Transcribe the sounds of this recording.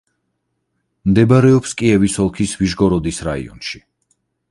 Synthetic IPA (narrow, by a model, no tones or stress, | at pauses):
md̪ɛbaɾɛɔpskʼiɛvisɔlˠkʰisviʒɡɔɾɔd̪isɾaḭɔ̰nʃi̥